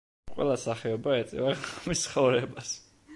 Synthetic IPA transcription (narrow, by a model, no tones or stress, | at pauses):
qʼwɛ̰lˠasaχɛɔbaɛt̪sʼɛ̰vaʁamist̪sχɔvɾɛbas